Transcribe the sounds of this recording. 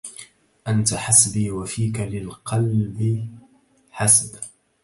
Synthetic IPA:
ʔant̪aħasbiːwafiːkalɪlqʰɑlbɪ | ħasb

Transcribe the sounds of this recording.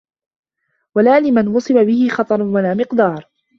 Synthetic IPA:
walaːlɪmanwɑsˤɨbabɪhɪxɑt̪ˤɑɾˤnwalaːmɪqd̪ɑːɾˤ

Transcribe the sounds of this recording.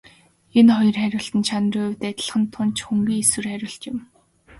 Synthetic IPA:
enχɔjɞ̆rχæɾʲʊːɬt̪ɘ̆nt͡ɕʰan̆rʊːwt̪æt̪̆ʲɮ̆χə̆nt̪ʰːʊnt͡ɕxuŋɡiːŋeswɘ̆rχæɾʲʊ̆ːɬt͡ɕ̪ɪ̆m

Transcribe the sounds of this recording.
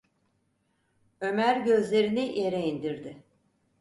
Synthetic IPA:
ømæɾɟø̞zlʲe̞ɾiniʔjeɾeind̪iɾd̪ɪ

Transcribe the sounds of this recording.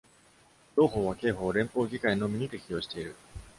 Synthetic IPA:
ɾo̞ːɦo̞ːβake̞ːɦo̞ːɾẽ̞mpo̞ːɡʲikaino̞mʲiɲ̟it̪e̞kʲijo̞ːɕi̥t̪e̞iɾɯ̟̰

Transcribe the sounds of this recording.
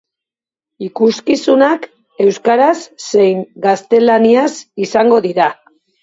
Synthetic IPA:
ikuskisunak | e̞wskaɾasːe̞jŋɡast̪e̞laniasisaŋɡo̞ðiɾa

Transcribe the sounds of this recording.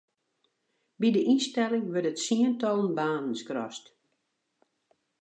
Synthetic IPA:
bidəʔinstɛlɪŋʋərtətsiəntɔlˠənbaːnənskrɔ̰st

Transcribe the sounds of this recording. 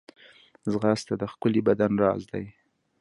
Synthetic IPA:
zɣɑst̪ad̪əxkəlibad̪anɾɑzd̪aj

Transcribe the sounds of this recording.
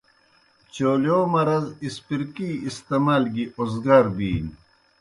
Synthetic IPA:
t͡ɕoːljoːmɐɾɐzispiɾkiːst̪emaːlɡiʔozɡaɾbiːn

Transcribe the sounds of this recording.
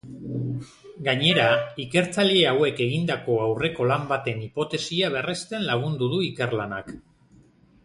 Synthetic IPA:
ɡaɲe̞ɾaike̞ɾt͡saʎe̞awe̞ke̞ɣind̪ako̞awre̞ko̞lambat̪e̞nipo̞t̪e̞siaβ̞e̞rest̪e̞nlaɣ̞und̪uðuike̞rlana̰k

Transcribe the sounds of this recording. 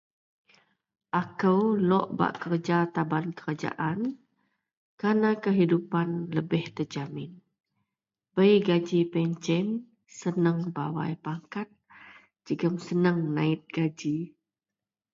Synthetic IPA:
ʔakəwlɔʔba̰ʔkərd͡ʒat̪abankəɾad͡ʒa̰ʔan | kanakəɦidupanləbɪht̪əd͡ʒamɪn | bəjɡad͡ʒipɛɲt͡ʃɛn | sənəŋba̰wa̰jpaŋkat̪̚ | d͡ʒəɡəmsənəŋnãɪt̪̚ɡ̥ad͡ʒi

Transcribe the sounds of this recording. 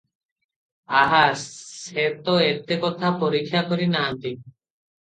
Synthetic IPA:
aɦaset̪ɔet̪ekɔt̪ʰapɔɾikʰːjakɔɾinaɦant̪i

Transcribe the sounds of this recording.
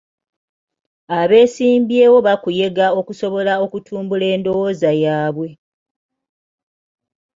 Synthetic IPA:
aβe̞ːsiːmbje̞ːwo̞βakuje̞ɡao̞kuso̞βo̞lao̞kutʰuːmbule̞ːndo̞wo̞ːzajaːβwe̞

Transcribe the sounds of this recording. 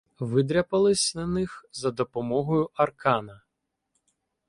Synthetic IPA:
ʋɪd̪ɾʲɐpɐlˠɪsʲnɐnɪxzɐd̪ɔpɔmɔɦɔjʊʔɐrkɑnɐ

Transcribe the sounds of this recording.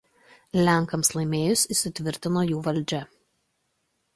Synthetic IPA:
lʲæˑŋˑkɐmslˠɐɪmʲeːjʊsʲɪsʲɪt̪ʲʋʲɪɾʲt̪ʲɪnoːjuːʋɐlʲˑd͡ʒʲɛ

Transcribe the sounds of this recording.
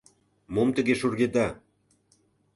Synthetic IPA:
momt̪ə̆ɣeʃorɣed̪ɑ

